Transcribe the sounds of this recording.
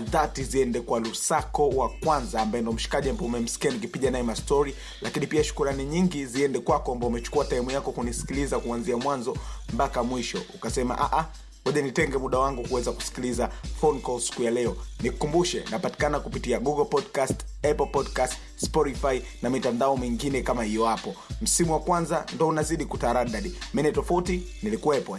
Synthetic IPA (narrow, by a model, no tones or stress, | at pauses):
ðatiziɛndɛkwalusakɔwakwanzaːmbajɛndɔm̩ʃi̥kaʄiambaɛumɛm̩si̥kianik̬ipiʄanaɛmastɔɾi | lʔakinipiaʃu̥kuɾaniɲiŋɡiziɛndɛkwakɔambaumɛt͡ʃu̥kuataɛmujakɔkunisi̥kilizakuanziamwanzɔmpakamwiʃɔ̰ukasɛma̰ʔaʔa | hɔʄanitɛŋɡɛmuɗawaŋɡukuwɛzaku̥si̥kilizafɔnkɔsi̥kujalɛɔnikukumbuʃɛnapati̥kanakupitiaɡuɡɔlpɔdkastɛpl̩pɔdkast | spɔɾifai | namitandaɔmiŋɡinɛkamahijɔhapɔm̩simuwakwanzandɔunaziɗikutaɾaɗaɗimɛnɛtɔfauti | nilikuwɛpwa